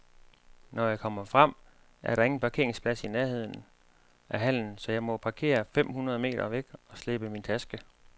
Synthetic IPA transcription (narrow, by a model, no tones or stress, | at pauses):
nʔɒjɑ̈ɪkʰɒ̽m̰ɐfʁɑm̰ | ʔæɐɾɑ̈e̝ŋn̩pʰɑ̈ke̝ɐ̰eŋspʰlæsinæɐɦe̝ð̞̰ˠnn̩ | ʔæɦæl̰n̩sɒ̽jɑ̈ɪmɒ̽pʰɑ̈kʰe̝̰ːɐfem̰hunɐð̞ˠme̝̰ːɾ̥ɐʋeɡ̥ɒ̽sle̝b̥əmint͡sʰæsɡ̥ə